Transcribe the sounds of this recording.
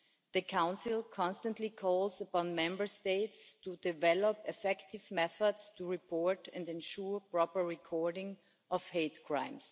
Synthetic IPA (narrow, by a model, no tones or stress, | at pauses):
ðɨkʰãʊ̃nsɪlˠkʰɑ̃nstə̃ntʰlikʰɔlˠzəpɑ̃nmɛ̃mbə˞steɪtstudɪvɛlɔpɪfɛktɪvmɛθədstʰuɹipʰɔɹɾɛ̃ndɛ̃nʃuɹpɹ̥ɔpə˞ɹɪkʰɔɹdɪ̃ŋ | ʔɔv̥heɪtkʰɹ̥ãɪ̃ms